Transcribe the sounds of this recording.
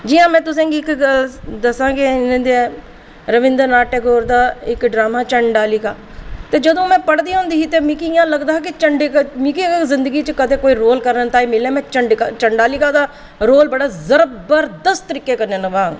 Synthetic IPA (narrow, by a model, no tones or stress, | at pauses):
d͡ʒiːãːmɛ̃ːt̪ʊsẽːɡiːɪkəld̪əsãːɡenẽːd̪eɛː | ɾəʋɪ̃nd̪əɾnaːʈeːɡoːɾd̪aːɪkɖɾaːmaːt͡ʃəɳɖaːlɪkaː | t̪eːd͡ʒəd̪õːmɛ̃ːpəɽd̪iːõːnd̪iːɦiːt̪eːmikiɪjãːləɡd̪aːɦːkɪt͡ʃəɳɖkmikikzɪnd̪əɡiːt͡ʃəkət̪ʰeːkoːiːɾoːlkəɾnənt̪aːiːmɪlẽːmɛ̃ːt͡ʃəɳɖkat͡ʃəɳɖaːlɪkaːd̪aː | ɾoːlbəɽaːzəɾəbəɾd̪əst̪t̪əɾiːkːeːkəɾnẽːnəʋaːŋɡ